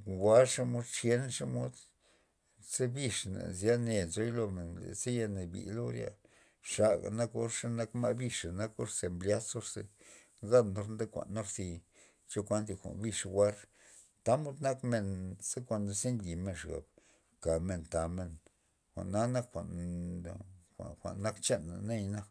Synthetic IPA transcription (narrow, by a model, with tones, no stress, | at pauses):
wa˦ɾʂa˦mo˦d̪t͡ʃje˦nʂa˦mo˦d̪ | se˦bi˧ʂna̰˨zja˦ne˧˨nzo˦jlo˧me˨nlḛ˨se˦ja˧ne˨bḭ˨lo˦ɾja̰˧ | ʂa˨ɡa̰˨na˦ko˦ɾʂa˦na˦kma˦˧bi˧ʂa˨na˦ko˦ɾse˧mblʲja˦so˦ɾse˧ | za˦no˧ɾnd̪e˦kʷa̰˨nːa˦ɾsi˧ | t͡ʃo˦kʷa˦nt̪̬i˧kʷa̰˨nbi˧ʂa˧wʷa˦ɾ | t̪a˦mu˦d̪na˦kme˧nse˦kʷa˧nd̪a˧se˦nɡi˨me˧nʂɡa̰˨b | ka˨me˧nt̪a˨me˧n | xʷa̰˨ʔnːa˦na˦kxʷa˨n˧ | a̰˨xʷa̰˨nːa˦kt͡ʃe˦nːa̰˨ne˦jna˦